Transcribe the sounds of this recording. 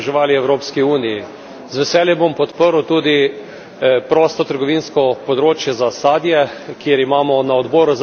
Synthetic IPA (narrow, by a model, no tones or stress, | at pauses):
ʒɛʋaːliɛwɾoːpskiuːniji | zʋɛsɛːljɛbompɔt̪pəɾwt̪uːd̪i | pɾɔːst̪ɔt̪əɾɡɔʋiːnskɔpɔd̪ɾoːt͡ʃjɛzasaːd̪jɛkjeɾimaːmɔnaɔd̪bɔːɾuz